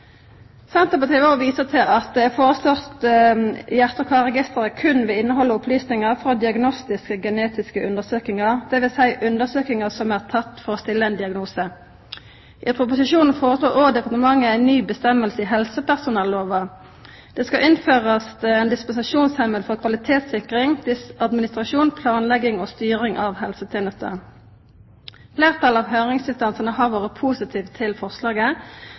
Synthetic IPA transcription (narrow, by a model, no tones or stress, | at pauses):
sɛnt̪əpɑt̪ʰɪʋoːʋiːsət̪ʰɪlɑt̪̚d̪ɛæːfoːʁəslɔʁt̪ | jæʁt̪əkʰʋɑːʁɛɡɪst̪əʁəkʰʉnʋɛɪnːəɦɔlːəʊpʰlyːsnɪŋəʁfʁɔd̪ɪɑɡnɔst̪ɪskəɡəneːt̪ɪskəʔʉnd̪əsøːkɪŋɑʁd̪̥ɛʋɪlsæɪʔʉnd̪əʁsøːkɪŋɑsɔmæːʁt̪ʰɑt̪ːfɔʁɔst̪ɪlːəɛɪnd̪ɪɑɡnuːsə | ʔɪːpʰɾʊpʊsɪʃuːnn̩foːʁəsloːʁoːd̪ɛpɑʁt̪əmɑŋːəæɪnnyːbəst̪ɛməlsəɪɦɛlsəpæʁsʊnɛlːoːʋɑ | d̪̥ɛːskɑʔɪnføːʁəsɛːnd̪ɪspʊnsɪʂuːnshɛməlfɔʁkʰʋɑlɪt̪ʰeːt̪sɪkʁɪŋd̪̥ɪsɑd̪mɪnɪst̪ʁɑʃuːnpʰlɑːnlɛɡɪŋoːst̪yːʁɪŋʔɑʋhɛlsət̪ʰeːnəst̪ə̰ʁ | fleːʁt̪ʰɑlɑʋɦøːʁɪŋsɪst̪ɑnsənəhɑːʁʋoːʁəpʰusɪt̪ʰiːʋt̪ʰɪlfɔʁslɑːɡə